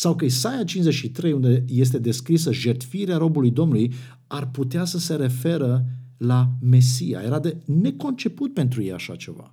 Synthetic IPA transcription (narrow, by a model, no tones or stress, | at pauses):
sawkəisajat͡ʃinzet͡ʃʃit̪ɾe̞jund̪e̞je̞s̬t̪e̞d̪e̞skɾisəʒe̞rt̪fiɾeaɾo̞bulujd̪o̞mnuluj | arput̪easəse̞ɾe̞fe̞ɾəlame̞sija̰je̞ɾad̪e̞ne̞ko̞nt͡ʃe̞put̪̚pe̞nt̪ɾujeja̰ʃa̰t͡ʃe̞̰va̰